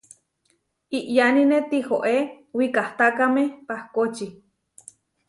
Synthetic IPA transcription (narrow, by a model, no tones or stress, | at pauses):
iʔjaninet̪ihoʔe | wikaht̪akamepahkot͡ʃi